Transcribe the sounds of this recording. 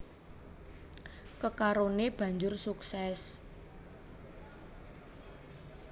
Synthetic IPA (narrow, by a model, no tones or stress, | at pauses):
kəkaɾoneb̥ä̤ɲd͡ʒʊrsuksɛs